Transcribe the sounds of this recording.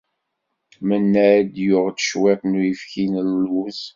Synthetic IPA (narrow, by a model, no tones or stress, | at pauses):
mənːæd̪jʊʁt̪ə̥ʃweqnujəfçinəluz